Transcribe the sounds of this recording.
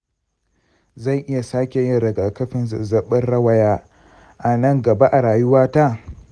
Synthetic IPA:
zɐ˦˨jʔɪ˦ja˨saː˦kʲe˨jɪ˦ɽɐ˨ɡa˨kɐ˦ɸɪ˦n˨zɐ˨ɓɐ˦nɽɐ˦wɐ˦jaː˦ | ʔa˨nɐ˦˨ŋɡɐ˨ba˦ʔa˨ɾaː˨jʊ˦waː˦ta˦˨

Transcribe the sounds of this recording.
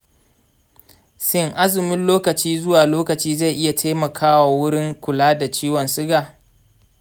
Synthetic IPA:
sɪ˦ŋʔa˦zɪ˨mɪ˦nloː˦kɐ˨t͡ʃiː˦zʊ˦waː˨loː˦kɐ˨t͡ʃiː˦za˦˨jʔɪ˦ja˨tʰa˦mɐ˨kʰaː˦wa˨wʊ˦ɽɪ˦ŋkʷʊ˨laː˦da˨t͡ʃiː˦wɔ˨nsɪ˦ɡaː˨

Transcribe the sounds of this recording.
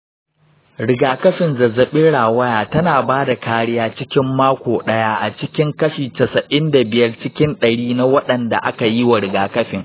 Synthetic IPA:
ɽɪ˨ɡaː˨kɐ˦ɸɪ˨nzɐ˨zɐ˨ɓɪ˦ɽaː˨wɐ˦jaː˨tɐ˦naː˨baː˦da˨kaː˦ɽɪ˦jaː˦t͡ʃɪ˦kʲɪ˦mːaː˦kʷoː˨ɗɐ˦jaː˦ʔa˨t͡ʃɪ˦kʲɪ˦ŋkɐ˦ʃiː˨tɐ˨sɐ˨ʔɪ˦nda˨bɪ˨jɐ˦rt͡ʃɪ˦kʲɪ˦nɗɐ˨ɽiː˦na˦wɐ˦ɗɐ˨nda̰˨ʔa˦ka˨ji˦wa˨ɽɪ˨ɡaː˨kɐ˦ɸɪ˨ŋ

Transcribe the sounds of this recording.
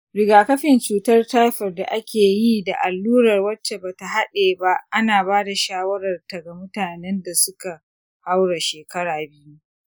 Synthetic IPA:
ɾɪ˨ɡaː˨kɐ˦ɸɪ˨nt͡ʃuː˨tɐ˦rta˦jɸɐ˨rda̰˨ʔa˦kʲeː˨ji˦da˨ʔa˨lːuː˦ɾɐ˨rwɐ˦t͡ʃːe˨baː˨ta˨ɦa˦ɗeː˨ba˦ʔa˦naː˨baː˦da˨ʃaː˦wɐ˦ɾɐ˨rta˨ɡa˨mʊ˦taː˨nɛ˦nda˨sʊ˦ka˨ | ha˦wɽa˨ʃeː˨kɐ˦ɽaː˨bɪ˦ju˦

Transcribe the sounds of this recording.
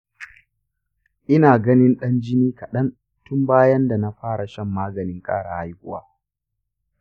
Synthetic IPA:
ʔɪ˦naː˨ɡɐ˦nɪ˦nɗɐ˦nd͡ʒɪ˦niː˦kɐ˨ɗɐ˦n | tʊ˦mbaː˦jɐ˦nda˨na˦ɸaː˦ɽa˨ʃɐ˦mːaː˦ɡɐ˨nɪ˦ŋkʼaː˦ɽa̰˨ha˦jkʷʊ˦wa̰ː˦

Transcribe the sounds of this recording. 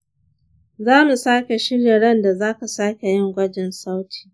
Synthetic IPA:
zaː˦mu˨saː˦kʲe˨ʃɪ˦ɽja˨ɽɐ˦nda˨zaː˦ka˨saː˦kʲe˨jɪ˦ŋɡʷɐ˦d͡ʒɪ˨nsa˦wtʰi̥ː˨

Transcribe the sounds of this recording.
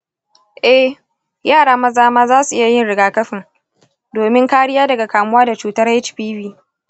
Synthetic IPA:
ʔɛ˦h | jaː˦˨ɽaː˦mɐ˦zaː˦maː˦zaː˦su˨ʔɪ˦ja˨jɪ˦nɽɪ˨ɡaː˨kɐ˦ɸɪ˨ŋ | doː˨mɪ˦ŋkaː˦ɽɪ˦jaː˦dɐ˨ɡa˨kaː˨mʊ˦waː˦da˨t͡ʃuː˦tɐ˦rɛ˦t͡ʃɸiː˦biː˦

